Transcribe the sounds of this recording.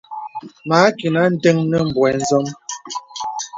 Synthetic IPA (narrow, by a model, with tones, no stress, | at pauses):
ma˨˦ki˨na˦n̩˦tɛ˦ŋnə˦m̩˨bwɛ˨n̩˦zɔ˦m